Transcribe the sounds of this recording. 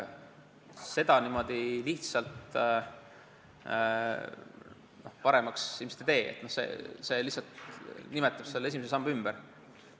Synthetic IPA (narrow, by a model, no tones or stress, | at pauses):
se̞d̪̥ɑnimo̞d̪̥iliht̪sɑlt̪ | no̞hpɑɾe̞mɑksilmese̥t̪ːet̪e̞ːḛt̪nohsḛse̞lihsɑlt̪nimɛt̪ːˑɑb̥selːesimesesɑmb̥ymb̥ɛɾ